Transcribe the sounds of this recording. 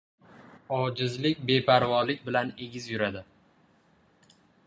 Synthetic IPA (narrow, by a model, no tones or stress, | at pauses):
ɒd͡ʒɪzlɪkʲbe̞pʰaɾvɒlɪkʲbɪlane̞ɡʲɪzjʊɾad̪ɪ